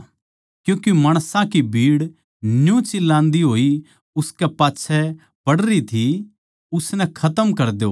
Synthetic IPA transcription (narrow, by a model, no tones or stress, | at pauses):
kjũːkemɐɽ̃sãkibʱiːɽ | njũt͡ʃɪlːãːnd̪iɦoːi | ʊskɛpaːtːʃʰɛ | b̥ɐɽɾit̪ʰi | ʊsnɛ̃kʰɐt̪əmkɐɾd̪oː